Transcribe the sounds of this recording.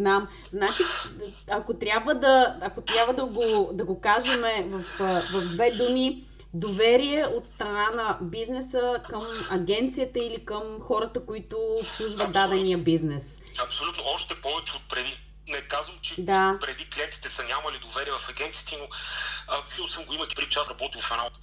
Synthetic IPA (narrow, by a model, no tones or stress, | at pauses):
znam | znat͡ʃiɐkot̪ɾʲabvəd̪ɐːkot̪ɾʲjabvəd̪əɡod̪ɐɡokaʒɛmɛvɐfvɐvd̪vɛd̪umi | d̪ovɛɾiɛot̪st̪ɾɐnanɐbiznɛsəkəmɐɡʲɛnt̪sijət̪əilikəmxɔɾət̪əkoit̪ʊːpslˠuʒvəd̪ad̪ɛnijəbiznɛs | ɐpsolʲut̪noɔʃt̪ɛpɔvɛt͡ʃɛot̪̚pɾɛd̪i | nɛkazvəmt͡ʃɛd̪apɾɛd̪ikliɛnt̪i̥t̪ɛsɐnʲamɐlid̪ovɛɾiɛvɐfɐɡʲɛnt̪siːt̪ɛnoɐpiosəmɡoimək̪i̥pɾit͡ʃasɾɐbɔt̪ilˠfɐnat̪